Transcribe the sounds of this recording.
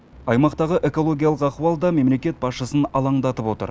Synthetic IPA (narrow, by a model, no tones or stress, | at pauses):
ɑjmɑqt̪ɑʁəʔe̞ko̞lˠo̞ɡʲijalˠəqɑqwɑlˠd̪ɑme̞mle̞kʲe̞t̪̚bɑsʃəsənɑlˠɑɴd̪ɑt̪əpwo̞t̪ə̰ɾ